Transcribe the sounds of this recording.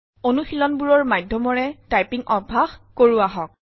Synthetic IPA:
onuxilɔnbuɹɔɹmajdʱɔmɔɹɛtajpiŋɔbʱaxkoɹuaɦɔk̚

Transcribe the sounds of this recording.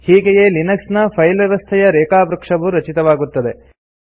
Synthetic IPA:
hiːɡejelinɐksnɐpʰɐjlʋjɛʋɐst̪ʰɛjɐɾɛːkaːbɾɐkʂɐʋuɾɐt͡ʃit̪ɐʋaːɡut̪ːɐd̪e̞

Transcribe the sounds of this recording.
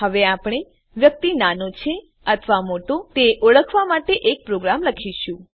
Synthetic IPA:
ɦəʋeapɽ̃e | ʋjək̚t̪inanot͡ʃʰe | ət̪ʰʋamoʈõt̪eʔəɭəkʰʋamaʈeʔek̚pɾoɡɾamləkʰiʃũ

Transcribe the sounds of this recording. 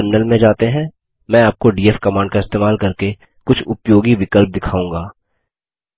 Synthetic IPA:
əɾmɪnəlmẽd͡ʒaːt̪eɦɛ̃ː | mɛ̃aːp̚koɖiːeːfkɐmãːɳɖkaɪst̪eːmaːlkɐɾke | kʊt͡ʃʰʊpjoːɡiʋɪkəlp̚d̪ɪkʰaːũːŋ̆ɡaː

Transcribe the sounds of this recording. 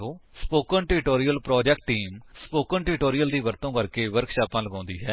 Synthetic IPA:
oːspoːkəɳʈɪɪʈoːɾijəlpɾɔːd͡ʒɛkʈːiːmspoːkənʈɪɾʈoːɾijəld̪iːʋəɾt̪õːkəɾkeːʋəɾkʃaːpãːləɡãːnd̪iːɦɛː

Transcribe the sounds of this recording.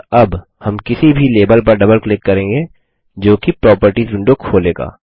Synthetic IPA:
ɐb | hɐmkɪsibʱileːbəlpɐɾɖɐbəlklɪkːɐɾẽːŋɡeː | d͡ʒoːkipɾɔːpəɾʈizʊ̃ɳɖokʰoːleːɡa̰ː

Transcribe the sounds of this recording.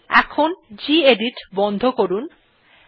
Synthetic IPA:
ɛ̰kʰond͡ʑieɖiʈbɔnd̪ʱokoɾun

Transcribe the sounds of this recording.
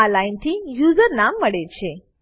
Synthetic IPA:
alajnt̪ʰiːjud͡zəɾnamːəɽet͡ɕe

